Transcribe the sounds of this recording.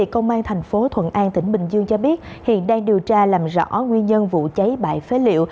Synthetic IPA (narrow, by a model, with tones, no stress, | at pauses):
kə˧wŋ͡mʔaː˧nt̪ʰa˨˩jŋ̟fo˨˦t̪ʰwə̰˧˨nʔaː˧nt̪ï˧˩ŋ̟ɓï˨˩ŋ̟zɨ˧əŋt͡ɕɔ˧ɓi˦˥ət̚hḭ˧˨ənɗaː˧ŋɗi˨˩əwt͡ɕaː˧laː˨˩mzɔ̰˧˥ŋwi˧ənɲə˧nvṵ˧˨t͡ɕə˨˦jɓa̰ː˧˨jfe˨˦lḭ˧˨əw